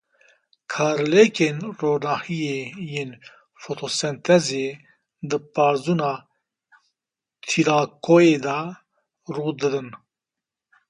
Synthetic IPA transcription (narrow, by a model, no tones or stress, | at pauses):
kʰaːɾleːkeːnroːnaːhijeːjeːn | fot̪ʰoːsɛnt̪ʰɛzeː | d̪ɨpaːɾzuːnaː | t̪ʰiɾaːkoeːd̪a | ɾuːd̪ɨd̪ɨn